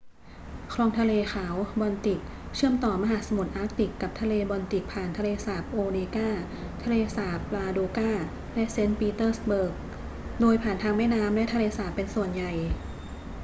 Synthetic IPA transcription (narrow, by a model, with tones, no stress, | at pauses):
kʰɾɔː˧ŋt̪ʰa˧leː˧xʰaː˩˦wbɔː˧nt̪i˨˩k̚ | t͡ɕʰɯ˥˩əmt̪ɔː˨˩ma˧ɦaː˨˩˦sa˧mu˨˩t̪̚ʔaː˦˥k̚t̪i˨˩kːa˨˩p̚t̪ʰa˧leː˧bɔː˧nt̪i˨˩k̚pʰaː˨˩nt̪ʰa˧leː˧saː˩˦p̚ʔoː˧neː˧kaː˥˩ | t̪ʰa˧leː˧saː˩˦p̚laː˧doː˧kaː˥˩ | lɛ˦˥ʔse˦˥npiː˧t̪ɤː˥˩sbɤː˨˩k̚ | doː˧jpʰaː˨˩nt̪ʰaː˧ŋmɛː˥˩naː˦˥mlɛ˦˥ʔt̪ʰa˧leː˧saː˨˩pːe˧nsu˨˩ənja˨˩j